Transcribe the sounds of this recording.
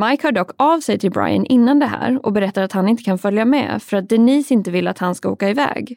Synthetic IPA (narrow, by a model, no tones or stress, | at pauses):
majkhœːɖɔkːavsɛjt̪ʰɪlbɾa̰jə̰nʔɪnːand̪ɛɦæ̰ːɾɔ̰bɛɾɛt̪ːaɾat̪hanɪnt̪ə̥kʰanfœljamɛ̰fœɾat̪̚d̪ɛniːsɪnt̪əvɪlːat̪hanskao̰ːkaɪvɛ̰ːɡ